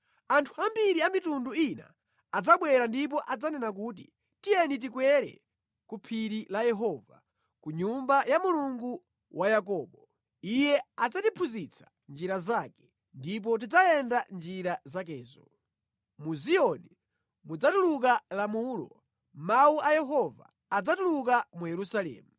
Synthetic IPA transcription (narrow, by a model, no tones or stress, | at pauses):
antʰuambiɾiamitunduina̰ː | d͡zaɓwɛɾandip̬ɔʔad͡zanɛnak̬uːt̬ḭ | tijɛnit̬ikwɛɾɛ̰ | kupʰiɾilajɛɦɔva | kuɲumbajamuluŋɡu | wʔajakɔːɓɔ | ijɛad͡zatipʰuzit͡sʰḁ | nd͡ʒiɾazakɛ̥ | ndip̬ɔt̬id͡zaɛndand͡ʒiɾazak̬ɛːzɔ | muziɔni | mud͡zatuluk̬alamuːlɔ̰ | mauʔajɛɦɔva̰ | ad͡zatuluk̬amujɛɾusalɛ̰ːmu